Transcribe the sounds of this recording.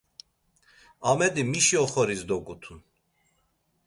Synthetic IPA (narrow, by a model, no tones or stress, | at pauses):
amɛd̪imiʃiɔχɔɾisd̪ɔɡut̪ʰun